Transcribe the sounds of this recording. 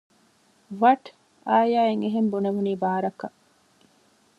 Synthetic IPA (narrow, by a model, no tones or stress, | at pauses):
ʋɐʈ | aːjaːeŋeɦembuneʋuniːbaːɾɐkɐ